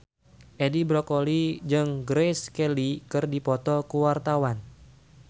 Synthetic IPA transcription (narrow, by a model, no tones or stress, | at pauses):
ʔedibɾɔkolid͡ʒɨŋɡɾeskɛlikɨrdipɔt̪ɔkuwart̪awan